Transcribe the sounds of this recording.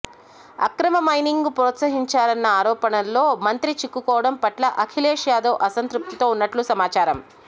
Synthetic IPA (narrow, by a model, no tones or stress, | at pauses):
ɐ̰kɾɐmɐmɐjniŋɡupɾɔːt̪sɐɦiɲt͡ʃaːɾɐnːɐaːɾɔːpɐnɐlːo̞ːmɐnt̪ɾit͡ʃikːukɔːʋɐɽɐmpɐʈlɐʔɐkʰileːʂjaːd̪ɐːʔɐsɐnt̪ɾup̚t̪it̪o̞ːunːɐʈlusɐmaːt͡ʃaːɾɐm